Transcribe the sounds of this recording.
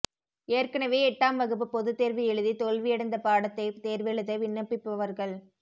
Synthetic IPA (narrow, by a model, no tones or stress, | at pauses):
eːɾkɐnɐʋeːɛʈːaːmʋɐɣɯp̬ːɯpɔðɯt̪ːeːɾʋɪjɛɻɯðit̪ɔlʋɪjɛɽɐnd̪ɐpaːɽɐt̪ːɐɪt̪eːɾʋɛɭɯðɐʋɪɳːɐpːɪpːɐʋɐɾɣɐɭ